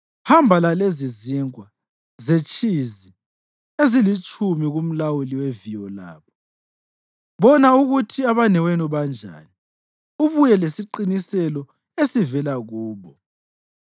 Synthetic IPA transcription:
hambʱalaleziziŋwa | zet͡ʃʼizi | ezilit͡ʃʼʰumiɣum̩lawuliwevijɔla̰ːβɔ | βɔnauɣutʰiaβanɛwenuβand͡ʒʱa̰ːni | uβujɛlesiǃinisɛlɔ | esivɛlaɣuːβɔ

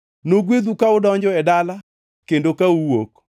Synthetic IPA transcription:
noɡwed̪ukaʊdɔɲd͡ʒɔɛdala | kendokauwok

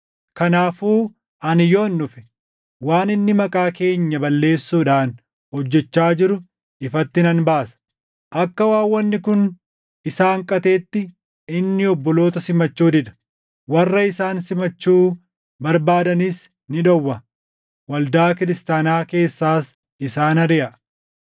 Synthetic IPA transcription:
kɐnaːfuː | ɐnɪjonːʊfɛ̥ | waːnɪnːɪmɐkʼaːke̞ːɲːɐbɐlːe̞ːsːuːᶑaːn | hɔd͡ʒːɛt͡ʃːaːd͡ʒɪɾʊ | ɪfɐt̪ːɪnɐnbaːsɐ̥ | ʔɐkːɐwaːwːɐnːɪkʊn | ɪsaːŋkʼɐt̪e̞ːt̪ːɪ | ɪnːɪɔbːɔlo̞ːt̪ɐsɪmɐt͡ʃːuːd̪ɪᶑ̪ɐ̥ | wɐrːɐɪsaːnsɪmɐt͡ʃːuː | bɐɾbaːd̪ɐniːs | nɪᶑɔwːɐ | wɐld̪aːkɪɾɪst̪aːnaːke̞ːsːaːs | ɪsaːnɐɾɪʔɐ

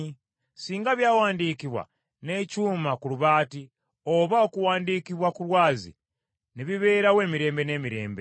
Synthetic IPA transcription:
siːŋɡaβjaːwaːndiːkiβwa̰ | ne̞cuːmakuluβaːti | oβaokuwaːndiːkiβwakulwaːzḭ | niβiβe̞ːɾawe̞ːmiɾe̞ːmbe̞ne̞ːmiɾe̞̰ːmbe̞̰

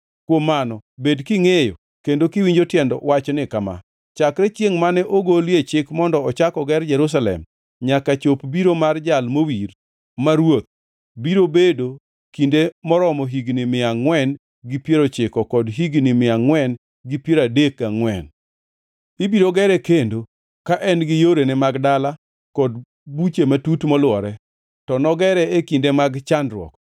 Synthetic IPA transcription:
kwomːanɔbedkiŋejo | kendokiwiɲd͡ʒotjɛndɔ̰wat͡ʃɔnɪkama̰ | t͡ʃakɾɛt͡ʃjeŋmanɛʔoɡoljet͡ʃɪkmɔndɔɔt͡ʃakɔɡɛrd͡ʒɛɾus̬alɛ̰m | ɲakat͡ʃopbiɾomard͡ʒalmowiɾ | maɾwot̪̚ | biɾobedo | kindemɔɾɔmɔɦiɡnɪmɪaŋwɛn | ɡɪpjeɾot͡ʃɪkɔkɔdɦiɡnɪmɪaŋwɛn | ɡɪpjeɾadekaŋwɛn | ibiɾoɡɛɾɛkendo | kaʔɛnɡɪjoɾenɛmaɡdala | kɔd | but͡ʃematutmɔlwɔɾɛ | tɔnɔɡɛɾɛekindemaɡt͡ʃandɾwɔ̰k

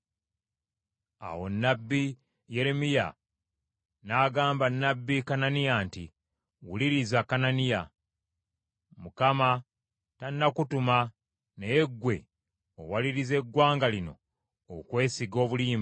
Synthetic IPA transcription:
a̰wo̞nːabːi | je̞ɾe̞mija̰ | naːɡaːmbanːabːikananijanti | wuliɾizakananija | mukama | tanːakutuma | nejeɡwe̞̰ | o̰waliɾize̞ɡwaːŋɡalino̞̰ː | kwe̞ːsiɡo̞ːβuliːm

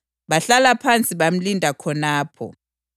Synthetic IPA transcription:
ɓaɬalapʰant͡sʼiβam̩lindʱakʰɔnaːpʰɔ̰

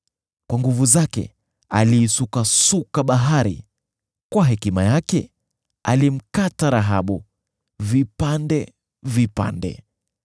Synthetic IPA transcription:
kwaŋɡuvuzakɛ̰ | aliːsukasukaɓaɦaɾḭ | kwaɦɛkimajakɛ | alim̩kataɾaɦaɓu | vipandɛ | vipa̰ndɛ̰

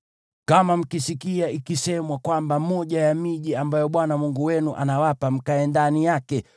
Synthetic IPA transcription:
kamam̩kisikiaikisɛmwakwambamɔʄajamiʄiambajɔɓwanamuŋɡuwɛnuʔa̰nawapam̩kaɛndanijakɛ

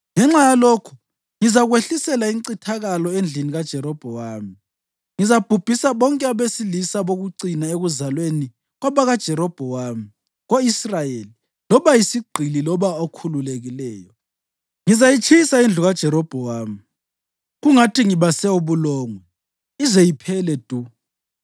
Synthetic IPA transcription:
ŋɛŋ͡ǁajaloːkʰu̥ | ŋizaɣweɬisɛlaiŋǀitʰaɣalɔend͡ɮʱiniɣad̥ʒ̥ʱɛɾɔb̥ʱɔwaːmi | ŋizab̥ʱub̥ʱisaβɔŋkʼɛaβesilisaβoɣuǀinaeɣuzalweni | ɣwaβaɣad̥ʒ̥ʱɛɾɔb̥ʱɔwaːmi | ɣoisrajeli | lɔβajisiɡ͡ǀʱililɔβaokʰululeɣilɛːjɔ | ŋizajit͡ʃʰisaind͡ɮʱuɣad̥ʒ̥ʱɛɾɔb̥ʱɔwaːmi | ɣuŋatʰiŋiβasɛuβulɔːŋwɛ | izejipʰɛlɛd̥ʱu

